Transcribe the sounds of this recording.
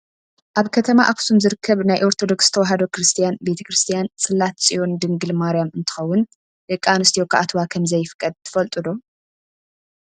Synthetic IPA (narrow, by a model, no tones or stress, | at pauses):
ʔaβkʰɐt̪ʰɐmaʔaksumzɨɾɨkʰːɐβnajʔo̞ɾt̪ʰo̞d̪o̞ksɨt̪ʰɐwaɦɐd̪o̞kɾɨst̪ʰijanbe̞t̪ʰɐ̥kɾɨst̪ʰijansʼɨlːat̪sʼijo̞nd̪ɨŋɡɨlmaɾijamɨnt̪ʰɨ̥xɐwːʊn | dɨkʼanɨst̪ʰijokʰa̰ʔat̪ʰwakʰɐmzɐjːɪfɨkʼːɐd̪̚t̪ʰɨ̥fɐlt̪ʼɨd̪o